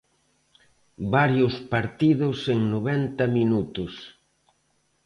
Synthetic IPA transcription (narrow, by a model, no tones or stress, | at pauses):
baɾjʊspaɾt̪iðʊseŋnoβɛnt̪ɐminut̪ʊs